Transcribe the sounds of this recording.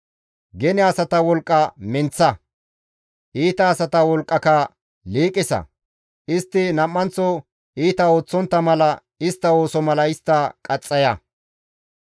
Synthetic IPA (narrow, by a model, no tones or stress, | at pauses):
ɡɛnɛɐsɐt̪ɐwɔlkʼːɐmɛnt͡sːɐ | ʔiːt̪ɐːsɐt̪ɐwɔlkʼːɐkɐ | liːkʼːɪsɐ̰ | ɪst̪ːɪnɐmːɐnt͡sːɔ | iːt̪ɐo̞ːt͡sːɔnt̪ːɐmɐlɐ | ɪst̪ːɐo̞ːsɔmɐlɐɪst̪ːɐkʼɐt͡sʼːɐjɐ